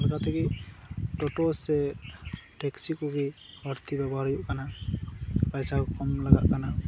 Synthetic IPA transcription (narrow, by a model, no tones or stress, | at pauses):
laɡat̪ʰɛkitɔʈɔsɛ | ʈɛksikɔɡi | baɾt̪ibabɔɦaɾijʊʔkana | pajsakkɔmlaɡa̰ʔkana